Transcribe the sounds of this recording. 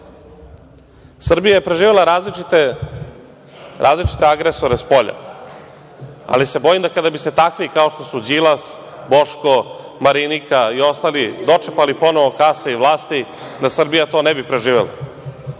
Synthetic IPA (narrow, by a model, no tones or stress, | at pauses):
sr̩bijajepɾe̞ʒiːʋelaɾazliit̪e | ɾʔa̰ːzlit͡ʃi̥t̪eaɡɾeso̞ɾespo̞ʎa̰ | a̰lisebojimd̪akad̪abise̞t̪akʋikao̞ʃt̪o̞sud͡ʑilˠas | bo̞ʃko | maɾinikaio̞st̪alid̪o̞t͡ʂepalipo̞noʋokasaiʋlˠaːst̪i | d̪asr̩bijat̪o̞ːnebipɾe̞ʒiːʋelˠa̰